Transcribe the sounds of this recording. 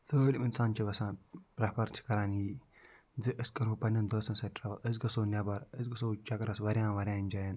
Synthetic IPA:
soːlʲminsaːnt͡ʃʰiʋɐsãːpɾɐpɐɾt͡ʃʰi̥kɐɾaːniː | d͡zɨʔɨskɐɾuːpɐnʲːɐnd̪oːsɐnsɐʈʲɾɐʋɐlɐzɡɐsoːnʲɐbɐɾəzɡɐsoːt͡ʃɐkɐɾɐsʋɐɾʲjãːnʋɐɾʲjãːnʲd͡ʒajɐn

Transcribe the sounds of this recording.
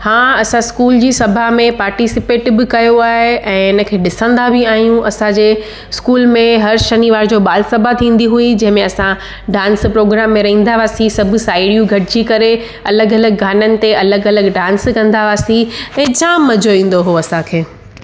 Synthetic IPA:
hãːɐsãskuːld͡ʑiːsɐbʱamẽpaːɾʈisɪpeːʈɪbɪkɐjoaːɦeʔɛ̃ːɪnə̆kʰeːɗɪsə̃nd̪abɪaːɦijũʔɐsãd͡ʑeː | skuːlmẽɦɐɾʃɐniʋaːɾd͡ʑoːɓaːlɪsɐbʱat̪ʰĩːn̆d̪iɦuid͡ʑɐ̃ɦɪ̃mẽɐsã | ɖãːnspɾoːɡɾaːmːẽɾɐɦĩːnd̪aʋaːsĩsɐbʱʊsaːɪɽijũɡʱɐʈʰɪd͡ʑikɐɾe | ɐləɡɐləɡɡaːnənɪ̆t̪eɐləɡɐləɡɖãːnskɐ̃nd̪aʋaːsĩɛ̃ːd͡ʑãːmmːɐd͡ʑoĩːn̆d̪oɦoɐsãkʰeː

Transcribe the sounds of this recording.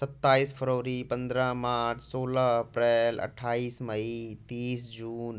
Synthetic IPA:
sɐt̪ːaːiːsfʰəɾoːʋɾipɐ̃nd̪ɾəmaːɾt͡ɕʰsoːləɦɐpɾɛːlɐ̰ʈʰaːiːsmɐit̪iːsd͡ʑuːn

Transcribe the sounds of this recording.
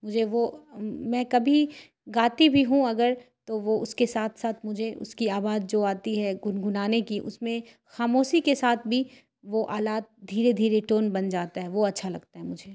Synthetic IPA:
mʊd͡ʒʱeʋomɛ̃ːkɐbʱi | ɡaːt̪ibʱiɦũɐɡəɾt̪oʋoʊskesaːt̪ʰsaːt̪ʰmʊd͡ʒʱeʔʊ̰skiaːbaːd̪̚d͡ʒoːaːt̪iɦɛɡʊnɡʱʊnaːnekiʔʊ̰smẽ | xaːmoːʃikesaːt̪ʰbʱi | ʋoʔaːlaːt̪̚d̪ʱiːɾed̪ʱiːɾeʈoːnbɐnd͡ʒaːt̪aɦɛʋoɐtːʃʰalɐ̰ɡt̪aɦɛmʊd͡ʒʱeː

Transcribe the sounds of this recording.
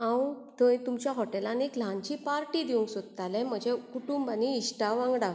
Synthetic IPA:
ãwt̪ə̃t̪umt͡ɕjaɦɔʈelaniklaɲt͡ɕipaɾʈid̪iũŋksod̪t̪alɛ̃m̤əd͡ʑʱekuʈumbaniːɕʈaʋãŋɡɽa

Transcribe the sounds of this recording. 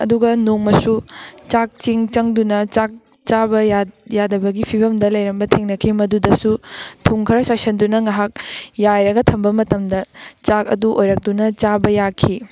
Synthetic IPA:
ɐ̰duɡɐnoŋmɐsut͡ʃak̚t͡ʃiŋt͡ʃɐŋdunɐt͡ʃak̚ | t͡ʃabɐjajadɐbɐɡipʰibɐmdɐlɐjɾɐmbɐtʰeŋnɐkʰimɐdudɐsutʰuŋkʰɐɾɐsasɐndunɐŋaɦak̚jajɾɐɡɐtʰɐmbɐmɐtɐmdɐt͡ʃakɐ̰duʔojɾɐk̚tunɐt͡ʃabɐjakʰi

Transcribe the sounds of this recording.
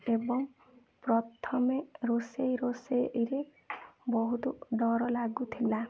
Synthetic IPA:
ebɔŋ | pɾɔt̪ʰɔmeɾosejɾoseɾe | bɔɦut̪uɖɔɾɔlaɡut̪ʰila

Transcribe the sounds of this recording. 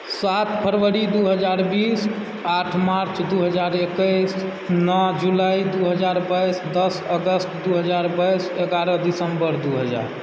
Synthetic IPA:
sat̪pʰəɾwəɾid̪uɦəd͡ʒaɾbis | aʈʰmaɾt͡ʃʰd̪uɦəd͡ʒaɾekəs | nɔd͡ʒulajid̪uɦəd͡ʒaɾbajsd̪əsəɡəsʈ̪d̪uɦəd͡ʒaɾbajseɡaɾəd̪isəmbəɾd̪uɦəd͡ʒa̰ɾ

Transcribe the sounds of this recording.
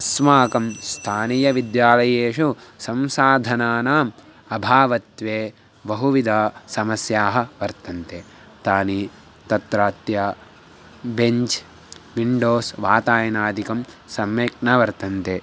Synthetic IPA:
ɐsmaːkɐmst̪ʰaːnijɐʋid̪jaːlɐjeːʃusɐmsaːd̪ʱɐnaːnaːm | ɐbʱaːʋɐt̪ʋeː | bɐɦuʋid̪ʱaːsɐmɐsjaːɦɐ̆ʋɐɾt̪ɐnt̪eː | t̪aːni | t̪ɐt̪ɾaːt̪ja | beɲt͡ʃ | ʋiɳɖoːsʋaːt̪aːjɐnaːd̪ʱikɐmsɐmʋeːkɳɐʋɐɾt̪ɐnt̪eː

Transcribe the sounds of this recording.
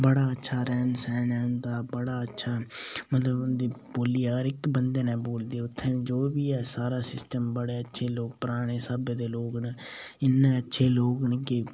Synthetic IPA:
bəɽaːətːʃʰaːɾɛːnsɛːnɛːʊnd̪aːbəɽaːətːʃʰaːmət̪ləbʊnd̪iːboːlijaːɾɪkbənd̪eːnɛːboːld̪eːʊt̪ʰːẽːd͡ʒoːbiːɛːsaːɾaːsɪsʈəmbəɽeːətːʃʰeːloːk̚pəɾaːɽ̃eːsəbeːd̪eːloːɡneːɪnːẽːətːʃʰeːloːɡneːkɪ

